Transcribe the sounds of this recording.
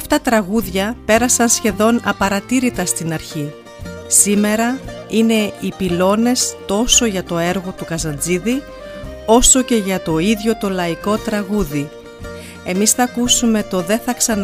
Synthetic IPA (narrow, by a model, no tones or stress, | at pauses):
ft̪ɐt̪ɾɐɣuðʝɐpe̞ɾɐsɐnsçe̞ðo̞nɐpɐɾɐt̪iɾit̪ɐst̪inɐɾçi | sime̞ɾɐine̞ipilo̞ne̞st̪o̞so̞ʝɐt̪o̞e̞ɾɣo̞t̪ukɐzɐnd͡ziði | o̞so̞ce̞ʝɐt̪o̞iðʝo̞t̪o̞lɐiko̞t̪ɾɐɣuði | e̞misθɐːkusume̞t̪o̞ðe̞θɐksɐn